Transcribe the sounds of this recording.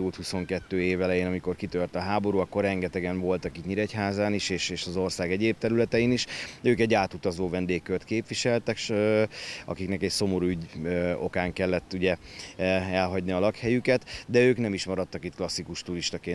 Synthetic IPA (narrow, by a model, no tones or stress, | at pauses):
ult̪huso̞ŋkɛt̪ːøːeːvɛlɛjeːnɒmiko̞rkit̪ørt̪ɒɦaːbo̞ɾuɒkːo̞rɛŋɡɛt̪ɛɡɛɱvo̞lt̪ɒkit̪ɲiɾɛcɦaːzaːniʃeːʃeːʃɒzo̞rsaːɡɛɟeːp̚t̪ɛɾylɛt̪ɛiniʃøːkɛɟːaːt̪ut̪ɒzoːvɛnd̪eːkːørt̪keːpʋiʃɛlt̪ɛkʃ | ɒ̰kiknɛkɛcso̞mo̞ɾuyɟo̞̰kaːŋkɛlːɛt̪ːuɟɛ | ɛlɦɒɟniɒlɒkhɛjykɛt̪d̪ɛøːknɛmiʃmɒɾɒt̪ːɒkit̪klɒsːikuʃt̪uɾiʃt̪ɒkeːn